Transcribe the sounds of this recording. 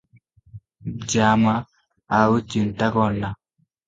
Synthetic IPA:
d͡ʒama | aut͡ʃintakɔnːa

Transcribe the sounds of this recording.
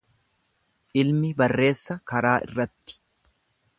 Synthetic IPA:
ʔɪlmɪbɐrːe̞ːsːɐkɐɾaːʔɪ̰rːɐt̪ːɪ̥

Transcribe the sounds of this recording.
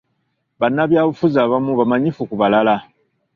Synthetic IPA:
βanːaβjaβufuzaβamuβamaɲifukuβalala

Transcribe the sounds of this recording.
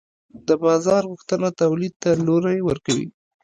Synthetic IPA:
d̪əbɑzɑɾɣʊxt̪ənat̪awlid̪̚t̪aloɾajewəɾkawḭ

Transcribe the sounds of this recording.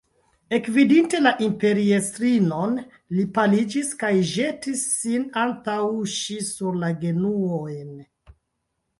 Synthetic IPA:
e̞kvidinte̞laʔimpe̞ɾiestɾino̞n | lipalid͡ʒiskajʒe̞tisːinantawʃisuɾlaɡe̞nuojn

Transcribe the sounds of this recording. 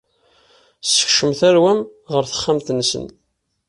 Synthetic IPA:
sə̥çʃəmθæɾwæmʁəɾθə̥χːæmt̪nːsə̰n

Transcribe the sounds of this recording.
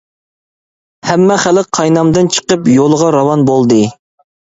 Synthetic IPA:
hɛmːɛχælɪqʰːɑjnɑmd̪ɨnt͡ʃʰə̥qəpjolˠəʁɑɾɑwɑnbolˠd̪ɨ

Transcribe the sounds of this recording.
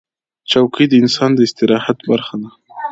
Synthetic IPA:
t͡ʃawkid̪əɪnsɑnd̪əɪst̪ɪɾɑhat̪baɾxad̪a

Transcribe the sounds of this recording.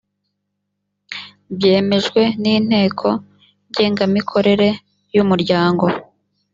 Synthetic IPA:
bje̞ːme̞ʒɡwe̞niːn̥he̞ːkʰo̞ | ɟe̞ːŋɡamikʰo̞ɾe̞ɾe̞ | jumuɾɟaːŋɡo̞

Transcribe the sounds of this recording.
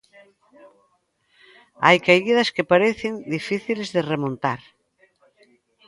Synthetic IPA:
a̰jkajɣið̞ɐskepaɾeθend̪ifiθilezðeremõnt̪aɾ

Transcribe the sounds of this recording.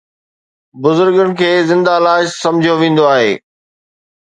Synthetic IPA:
bʊzʊɾɡəɽ̃ɪ̆kʰeːzɪ̃nd̪alaːɪʃsɐ̃md͡ʑʱijoʋẽːn̆d̪oaːɦḛː

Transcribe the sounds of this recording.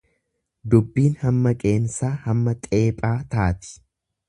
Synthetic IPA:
d̪ʊbːiːnhɐmːɐkʼe̞ːnsaːhɐmːɐt̪ʼe̞ːpʼaːt̪aːt̪ɪ̥

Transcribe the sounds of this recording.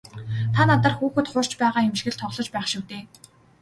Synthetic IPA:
t̪ʰanat̪ə̆rxuːxɘ̆t̪χʊr̥t͡ɕpæːʁaːemʃxɘ̆ɮt̪ʰɔʁɮɞ̆t͡ɕpæːχʃuːt̪eː

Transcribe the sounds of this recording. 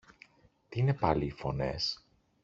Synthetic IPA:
t̪iine̞pɐliːfo̞ne̞̰s

